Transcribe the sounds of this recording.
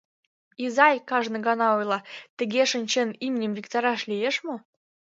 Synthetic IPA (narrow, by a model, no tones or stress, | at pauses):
izɑjkɑʒnəɡɑnɑojlˠɑt̪ə̆ɡʲeʃə̆nʲt͡ɕenimʲinʲəmvʲikt̪ɑɾɑʃlʲijeʃmo